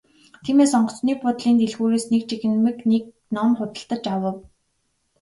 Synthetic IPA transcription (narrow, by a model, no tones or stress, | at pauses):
t̪ʰiːmeːsɔɴɢɞ̆t͡sniːpʰʊt̪ɮiːnt̪eɮɣuːɾeːsnek̚t͡ɕixɘ̆nmɘ̆knek̚ | nɔmχʊt̪ə̆ɬt̪ə̆t͡ɕawə̆w